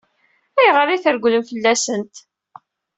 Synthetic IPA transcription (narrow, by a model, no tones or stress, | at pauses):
æjʁəɾiθəɾɡʷləmfəlːæsənt̪